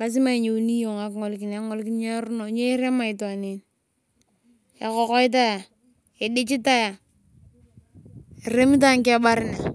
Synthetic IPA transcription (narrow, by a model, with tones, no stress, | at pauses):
ka˦s̬ɪ˦ma˦i˨ɲe˨˦ni˦jo˨ŋa˨kŋɔ˨lkɪ˨na˨˦ŋɔ˦lkɪ˦ɲe˦ɾu˦no˨˦ɲe˦ɪ˦ɾe˦ma˦˨ɪ˨twa˨ne˨n | e˨kɔ˨kɔ˦ɪ˦t̬a˦ja˨ | e˨dɪ˦t͡ʃɪ˦ta˦ja˨ | e˨ɾe˦mi˦t̬a˦ŋkɛ˦ba˦ɾɪ˦na˨